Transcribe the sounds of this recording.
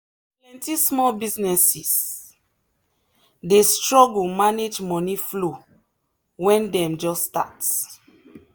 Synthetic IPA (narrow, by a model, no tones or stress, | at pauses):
lɛ̃ntismɔlbiznɛsis | destɹɔɡulmaned͡ʒmɔniflo | wɛ̃ndɛ̃md͡ʒɔstat